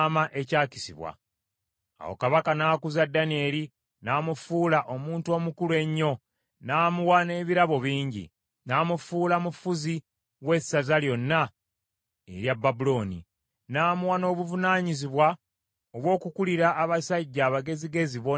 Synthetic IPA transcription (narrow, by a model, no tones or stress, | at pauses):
maʔe̞caːci̥sḭβwa̰ | a̰wo̰kaβakanaːkuzadːanie̞ːli | naːmufuːlaʔo̞muːntuo̞ːmukulwe̞ɲːo̞ | naːmuwane̞ːβiɾaβo̞βiːɲɟḭ | naːmufuːlamufuzi | we̞sːazaljo̞nːa | e̞̰ɾjabːabulo̞ːnḭ | naːmuwano̞ːβuvunaːɲiziβwa | oβwo̞ːkukuliɾaʔːβasaɟːaːβaɡe̞ziɡe̞ziβo